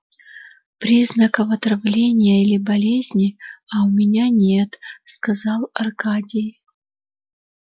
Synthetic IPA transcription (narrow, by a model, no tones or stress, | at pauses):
pɾʲiznəkəvɐt̪ɾɐvlʲenʲɪjəilʲɪbɐlʲezʲnʲɪɐʊmʲɪnʲanʲe̞t̪skɐzɑlˠɐrkadʲɪj